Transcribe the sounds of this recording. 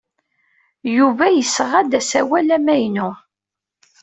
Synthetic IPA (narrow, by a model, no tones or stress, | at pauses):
juvæjəsʁæd̪æsæwælæmæjnu